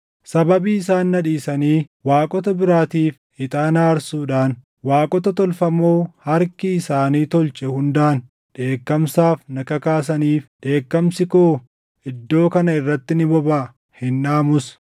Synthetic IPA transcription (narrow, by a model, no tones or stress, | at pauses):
sɐbɐbiːɪsaːnːɐᶑiːsɐniːwaːkʼɔt̪ɐbɪɾaːt̪iːf | ɪt̪ʼaːnaːɾsuːᶑaːn | waːkʼɔt̪ɐt̪ɔlfɐmoːhɐɾkɪːsaːniːt̪ɔlt͡ʃʼɛhʊnd̪aːn | ᶑe̞ːkːɐmsaːfnɐkɐkaːs̬ɐniːfᶑe̞ːkːɐmsɪkoː | ɪd̪ːo̞ːkɐnɐɪrːɐt̪ːɪnɪbɔbaː | hɪnᶑaːmʊs